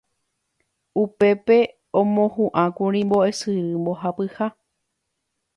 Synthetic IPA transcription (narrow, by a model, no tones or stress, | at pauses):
upe̞pe̞ | õmõhũʔãkũɾ̃ĩmbo̞esɨɾɨmbo̞ɦapɨha